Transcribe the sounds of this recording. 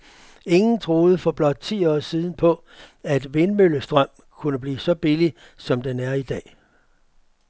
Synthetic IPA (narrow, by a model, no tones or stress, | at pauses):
e̝ŋn̩t͡sʰʁo̝ːð̞ˠəfɒ̽b̥lɒ̽d̥̚t͡sʰḭːɒ̰ːsiːð̞ˠn̩pʰɒ̽ | æd̥ʋe̝nmøləsd̥ʁɶm̰ | kʰunəb̥lḭːsɒ̽b̥ili | sɒ̽md̥enæɐid̥ɛ̰ː